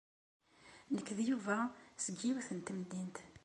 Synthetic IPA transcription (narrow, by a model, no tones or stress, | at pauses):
nəkːðjuvæsəɡiwθənt̪md̪int̪